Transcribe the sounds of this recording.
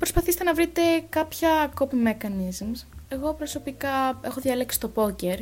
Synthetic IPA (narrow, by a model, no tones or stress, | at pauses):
pɾo̞spɐθist̪enɐvɾit̪e̞kɐpçɐkopimekɐnizmse̞ɣo̞pɾo̞so̞pikɐe̞xoðjʝɐleksi̥t̪o̞po̞ceɾ